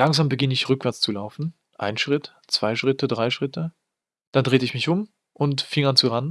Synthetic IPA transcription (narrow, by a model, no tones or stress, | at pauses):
laŋzaːmbəɡɪnəɪçʁʏkv̥ɛɐt͡st͡sulaʊfn̩ | ʔa̰ɪnʃʁ̥ɪt | t͡sv̥aɪʃʁ̥ɪtədʁaɪʃʁ̥ɪtʰə | d̥andʁeːtəɪçmɪçʔʊm | ʔʊntfɪŋant͡suʁan